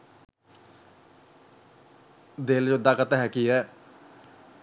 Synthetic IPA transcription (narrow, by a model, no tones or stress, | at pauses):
d̪eːld͡ʒod̪aːkət̪aɦɛːkiɦɛː